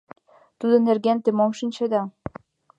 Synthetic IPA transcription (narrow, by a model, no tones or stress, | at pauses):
t̪ud̪ɤ̆nerɣent̪emomʃinʲt͡ɕed̪ɑ